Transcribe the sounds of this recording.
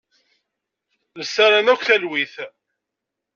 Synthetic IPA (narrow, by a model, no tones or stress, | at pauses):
ləsːaɾænækʷːθælwiθ